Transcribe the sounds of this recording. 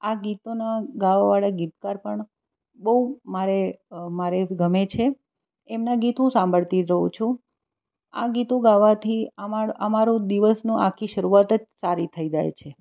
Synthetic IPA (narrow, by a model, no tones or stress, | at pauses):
aɡit̪onaɡaʋaʋaɭaɡit̪kaɾpəɳ | bəumaɾemaɾeɡəmet͡ʃʰe | emnaɡit̪ɦũsãmbʱəɭt̪iɾəɦũt͡ʃʰũ | a̰ɡit̪ũɡaʋat̪ʰiaəmaɾũd̪iʋəsnũʔakʰiʃəɾuʋat̪əd͡ʒsaɾit̪ʰəid͡ʒa̰jt͡ʃʰe